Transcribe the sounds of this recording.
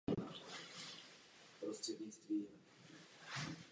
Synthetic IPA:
pɾɔst̪rɛd̪ɲist̪viː

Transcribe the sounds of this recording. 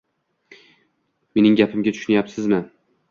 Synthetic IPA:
me̞nɪŋɡʲapʰɪmɡʲat̪ʰʊ̥ʃʊnajapsɪzmɪ

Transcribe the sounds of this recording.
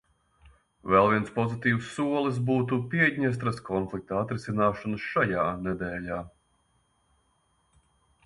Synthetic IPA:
vɛlˠvʲiɛnspɔzit̪iːwsːuɔlˠis̬buːt̪upiɛɟʲɲɛst̪ɾaskʰɔnflˠik̚t̪aat̪ɾisinaːʃɔnəsʃajaːnɛd̪eːʎaː

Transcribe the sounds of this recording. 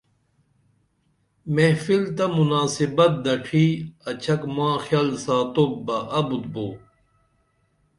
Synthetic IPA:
mefilt̪ɐmunaːsibɐt̪̚d̪ɐʈʰiːɐt͡ɕʰɐkmãːxjaːlsaːt̪ok̚bɐʔɐbut̪̚boː

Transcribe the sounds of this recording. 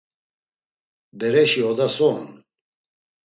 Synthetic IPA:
bɛɾɛʃiɔd̪asɔːn

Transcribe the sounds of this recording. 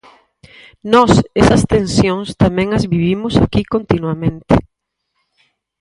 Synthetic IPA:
nɔsesɐst̪ẽnsjoŋst̪amɛ̃ŋɐzβiβimʊsakikont̪inwamẽnt̪ɪ

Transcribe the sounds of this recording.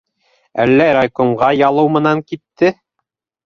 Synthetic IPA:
ælːæɾakoɴʁɑjɑlˠɤwmɤ̆nɑŋkit̪ːɘ

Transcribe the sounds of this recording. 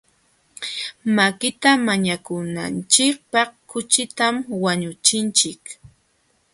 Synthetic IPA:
makɪt̪amaɲakʊna̰nt͡ʃɪk̚pɑχkʊt͡ʃɪt̪amwaɲʊt͡ʃɪnt͡ʃɪk

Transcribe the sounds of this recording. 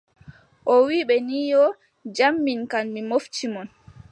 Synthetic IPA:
ʔɔwiːɓɛniːjɔ | d͡ʒamːinkanmimoftimɔn

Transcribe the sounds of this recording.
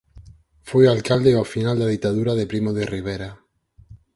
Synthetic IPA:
fojalkald̪eafinald̪aðit̪aðuɾaðepɾimoðeriβ̞eɾa

